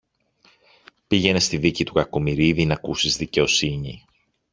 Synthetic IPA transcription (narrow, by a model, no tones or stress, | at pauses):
piʝe̞ne̞st̪iðicit̪ukɐkomiɾiðinɐkusizðice̞o̞siɲi